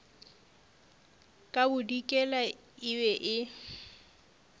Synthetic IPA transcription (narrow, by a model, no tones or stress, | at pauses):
kʼabʊdikʼɛla | ɪwɛʔɪ